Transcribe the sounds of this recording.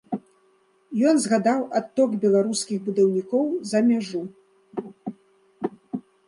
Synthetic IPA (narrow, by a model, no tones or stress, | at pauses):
jɔnzɣad̪awʔat̪ːɔkbʲɛlˠaɾuskʲiɣbud̪awnʲikɔwzɐmʲaʐu